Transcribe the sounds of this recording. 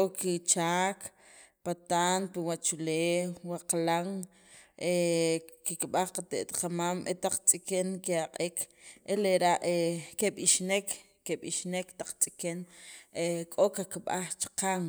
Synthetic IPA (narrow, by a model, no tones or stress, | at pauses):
kʼokit͡ʃaːk | pat̪aːnpiwat͡ʃuleːwwaqalaŋ | ʔekikɓaχqat̪ḛʔt̪qamamʔḛt̪aq͡χt͡sʼikeŋkiaqʼikʰʔeleɾaʔekeɓiʃnek | kːeɓiʃnekt̪aq͡χt͡sʼi̥kenekʼokakiɓaχt͡ʃi̥qaŋ